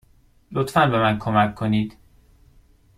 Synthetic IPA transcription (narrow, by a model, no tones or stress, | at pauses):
lot̪fænbe̞mænkʰomækʰːoniːd̪̥